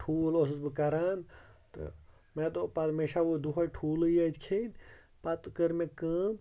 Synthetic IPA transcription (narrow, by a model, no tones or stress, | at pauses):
ʈʰuːlos̬ɨsbɨkɐɾaːnt̪ɨ̰ | met̪opɐɾmeʃaʋod̪uɦɐʈʰuːlɨjat̪ʲkʰed̪ʲ | pat̪kəɾmẽkəː